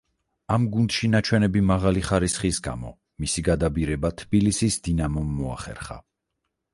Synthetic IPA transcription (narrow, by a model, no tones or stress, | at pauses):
amɡund̪̥ʃinat͡ʃʰwɛnɛbimaʁaliχaɾisχisɡa̰mɔ̰ | misiɡad̪abiɾɛbat̪ʰbilisisd̪inamɔmːɔa̰χɛ̰ɾχa̰